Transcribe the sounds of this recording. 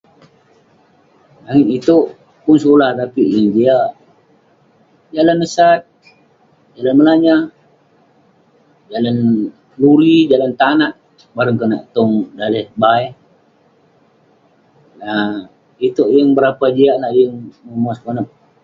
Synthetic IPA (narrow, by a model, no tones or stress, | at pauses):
aŋɪnit̪oʔ | pʊns̬olaht̪apiʔjəŋd͡ʒiaʔ | d͡ʒalanːəsat̪̚ | d͡ʒalanməlaɲa | d͡ʒalan | luɾid͡ʒalant̪anaʔ | baɾəŋkəna̰ʔt̪ɔŋdaləhbaɛ | a | it̪oʔjəŋbəɾapad͡ʒiaʔlahjəŋməmaskonəp̚